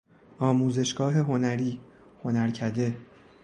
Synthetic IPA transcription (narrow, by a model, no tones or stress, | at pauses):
ɒːmuːze̞ʃɡ̥ɒːɦe̞ɦo̞næɾiː | ho̞næɾcʰæd̪e̞